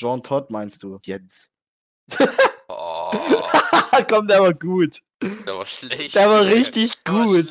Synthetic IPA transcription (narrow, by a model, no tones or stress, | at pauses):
ʒ̥ɔntʰɔtmaɪnst̚d̥uːjɛs | akʰɔmdɛːvaːɡuːt | d̥eːɐvaːʁɪçtɪçɡ̥uːt